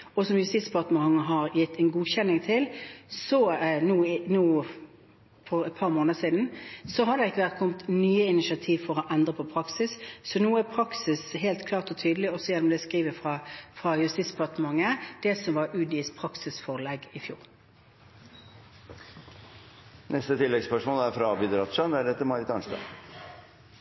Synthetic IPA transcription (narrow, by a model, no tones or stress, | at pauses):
ɔsɔmjʉst̪iːt̪spʰɑʁt̪məɑŋːəɦɑɾjɪt̪ːɛnɡuːçɛnːɪŋt̪ʰɪlsɔnuːnuː | fɔɾɛt̪̚pʰɑːʁmoːnəsiːd̪n̩sɔɦɑd̪ɛɪkːəʋæʁt̪̚kʰɔmt̪nyːəɪnɪʃɑt̪ʰiːʋfɔʁɔʔɛnd̪ʁəpʰɔpʰɾɑksɪssɔnuːæpʰɾɑksɪsɦeːlt̪kʰlɑːʁt̪ɔt̪ʰyːd̪lɪɔsɔjɛnɔmd̪ɛskʁiːʋəfʁɑfʁɑjʉst̪iːt̪sbpɑʁt̪əmɑŋːəd̪̥ɛsɔmʋɑɾʉːd̪ɪːspʰʁɑksɪsfɔʁlɛɡɪfjṵːʁ | nɛst̪ət̪ʰɪlːɛɡspœʂmoːlæɾfɾɑbɪd̪ɾɑt̪ʂɑnʋ̪æɖɛt̪ːəmɑɾɪt̪ɑ̰nst̪ɑ̰